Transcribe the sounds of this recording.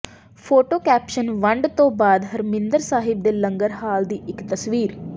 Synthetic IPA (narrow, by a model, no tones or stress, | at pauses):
pʰoːʈoːkɛːpʃənʋəɳɖt̪õːbaːd̪ɦəɾmɪ̃nd̪əɾsaːɦɪb̚d̪eːlə̃ŋɡəɾɦaːld̪iːʔɪkt̪əsʋiːɾ